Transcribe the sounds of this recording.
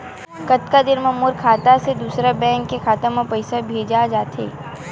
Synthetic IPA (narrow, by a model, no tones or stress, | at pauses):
kɐt̪kad̪ɪnmɐmʊɾkʰaːt̪ased̪uːsɾabɛ̃ːŋkːekʰaːt̪ãmãpɐɪsabʱeːd͡ʒad͡ʒaːt̪ʰḛː